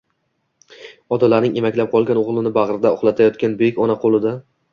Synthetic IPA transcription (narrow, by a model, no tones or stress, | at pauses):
ɒd̪alaɾnɪŋemakʲlap̚qʰɒlˠɡʲanoʁlˠɪnɪbaʁɾɪd̪aɒχlˠat̪ʰajɒt̪̚kʲanbekʲɒnaqʰolˠɪd̪a